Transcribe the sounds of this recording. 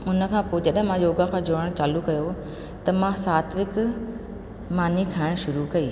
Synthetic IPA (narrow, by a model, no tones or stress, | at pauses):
ʊnə̆kʰãːpoːd͡ʑɐɗɦɪ̃mãjoːɡakʰãːd͡ʑoːɾəɽ̃t͡ɕaːlukɐjo | t̪ɐmãsaːt̪ʰʋɪk | maːnikʰaːɪɽ̃ʃʊɾukɐiː